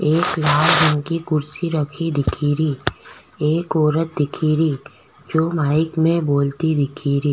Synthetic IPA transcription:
eːklaːlbənkikʊɾsiɾɐkʰid̪ɪkʰiːɾiː | eːkɔːɾət̪̚d̪ɪkʰiɾiː | d͡ʒoːmaːɪkmẽboːlt̪id̪ɪkʰiːɾiː

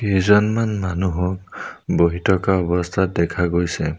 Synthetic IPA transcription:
ejzɔnmanmanuɦɔk̚boɦitɔkaɔbɔst̪ʰat̚dɛkʰaɡojsɛ

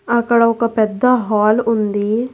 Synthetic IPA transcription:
ɐkɐɽaʊkapɛd̪ːaɦaːlʊnd̪iː

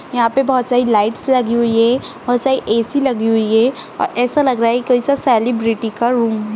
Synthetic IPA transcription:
jɐɦãpebɔɦt̪saːilaːɪʈslɐɡiɦʊiɦɛ | b̥ɔːt̪saːiʔeːsilɐɡiɦʊiɦɛ | ɔ̰ːɾɛːsalɐɡɾaːaɦɛkikoːisasɛːlɪbɾɪʈikaɾuːmɦɛː

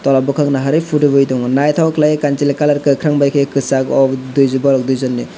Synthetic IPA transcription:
tɔlabɔkʰaŋnaɦaɾɯpʰudɯbɯjdɔŋnajtʰawklajekantilekalaɾkɯkʰɾaŋbajkʰekɯsakɔdujzɯbaɾɔk̚dujzɔnːi

